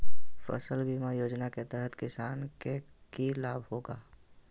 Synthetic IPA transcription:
fə̰səlbimajoːd͡ʒnaket̪ɛɦət̪kɪsaːnke | kilaːbɦoːɡa̰ː

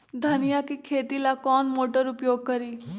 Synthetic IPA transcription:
d̪ʱənɪjaːkikʰeːt̪iːlaːkɔːnmoːʈəɾʊpjoːɡ̚kəɾiː

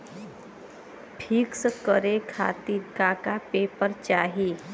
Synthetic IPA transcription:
ʈʰiːksəkəɾekʰa̰t̪iɾkakapeːpəɾt͡ʃaːɦi

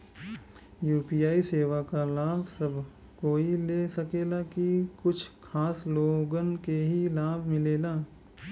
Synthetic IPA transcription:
juːpiːaːiseːʋakalaːbʱsɐbʱ | koːileːsɐkeːlakikʊt͡ʃʰkʰaːsloːɡənkeɦilaːbʱmɪleːlaː

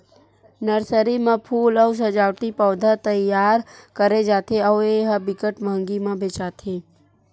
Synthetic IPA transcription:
nəɾsəɾimə̃pʰuːlɔws̬ɐd͡ʒaːwʈ̪ipɔːd̪ʱat̪əjaːɾkəɾed͡ʒaːt̪ʰeɔːeɦəbɪkəʈməŋɡimãbʱet͡ʃaːt̪ʰeː

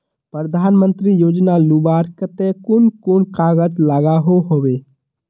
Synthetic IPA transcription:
pɾəd̪ʱaːnmə̃nt̪ɾijoːd͡ʒnalubaːɾkət̪ekʊnkʊnkaːɡəd͡ʒlaɡaɦoɦoʋeː

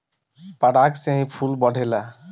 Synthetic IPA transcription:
paɽaksẽj̃pʰulbɔɖʱela

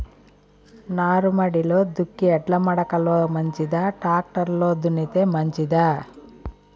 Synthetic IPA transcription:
naːɾumɐɽiloːd̪ukːiɛʈlɐmɐɽɐkɐloːmɐɲt͡ʃid̪aʈaːk̚ʈɐɾloːd̪unit̪eːmɐɲt͡ʃid̪a

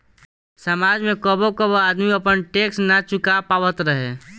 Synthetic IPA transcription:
səmaːd͡ʒmẽkəbokəboaːd̪miəpənʈeːksnat͡ʃʊkapaːwət̪ɾəɦḛ

